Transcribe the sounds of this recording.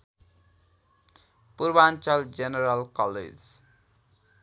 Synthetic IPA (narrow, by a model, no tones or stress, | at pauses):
purbant͡ʃʌld͡zeneɾʌlkʌlḛd͡z